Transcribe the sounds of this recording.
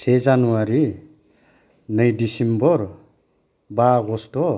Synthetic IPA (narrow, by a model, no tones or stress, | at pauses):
sʰed͡zanuwaɾi | nʌjdisimbɔɾ | baɡɔstɔ